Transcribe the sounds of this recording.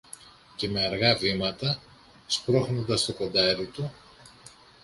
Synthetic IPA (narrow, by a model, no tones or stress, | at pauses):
ce̞me̞ɐɾɣɐvimɐt̪ɐ | spɾo̞xno̞nd̪ɐst̪o̞ko̞nd̪ɐɾit̪u